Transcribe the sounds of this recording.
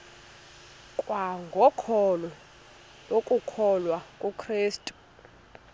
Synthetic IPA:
kʼwaŋɡʱɔkʰɔlɔ | lokʼukʰɔlwakʼukʰriːstʼu̥

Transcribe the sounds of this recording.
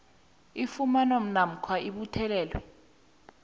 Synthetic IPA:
ifumanom̩nam̩kʰwaiɓutʰɛlɛːlwɛ̰

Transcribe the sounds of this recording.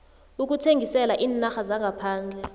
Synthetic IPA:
uk̬utʰeŋɡʱisɛlaʔiːnaxazaŋɡʱapʰaːnd͡ɮʱɛ

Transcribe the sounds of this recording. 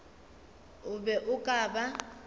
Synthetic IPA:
ʊbɛʔʊkʼaːba

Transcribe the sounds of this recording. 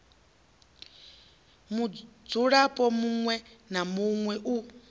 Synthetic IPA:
mud͡zuɺapʼɔmuŋwɛnamuŋwɛʔu

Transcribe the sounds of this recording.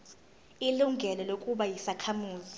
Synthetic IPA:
iluŋʱɛlɔlokʼuɓajisakʰamuːzi

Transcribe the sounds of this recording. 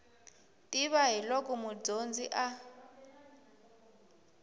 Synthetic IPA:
tʼiβaɦilokʼumud͡zond͡ziʔa

